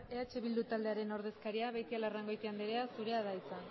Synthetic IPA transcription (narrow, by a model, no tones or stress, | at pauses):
e̞at͡ʃe̞βild̪ut̪ald̪e̞aɾe̞no̞ɾð̞e̞skaɾiaβe̞jt̪ialaraŋɡo̞jt̪iand̪eɾeasuɾe̞aðajt͡sa